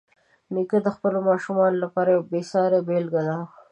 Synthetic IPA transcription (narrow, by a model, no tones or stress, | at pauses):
nikəd̪əxpəlomɑʃumɑnolapɑɾajawbesɑɾebelɡad̪a